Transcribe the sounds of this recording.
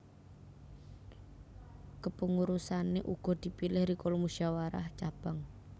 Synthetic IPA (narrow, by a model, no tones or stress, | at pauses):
kəpəŋuɾusaneʔuɡ̥ɔ̤d̪̥i̤pilɪhɾikolomuʃawaɾa̰ht͡ʃab̥aŋ